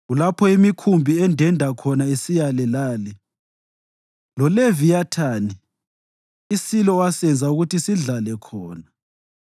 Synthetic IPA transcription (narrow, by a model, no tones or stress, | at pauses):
ɣulapʰɔimikʰumbʱiɛndʱɛndʱakʰɔnaesijalɛlaːlɛ | lɔlevijatʰaːni | isilɔwasɛnd͡zʱauɣutisiɮalɛkʰɔːna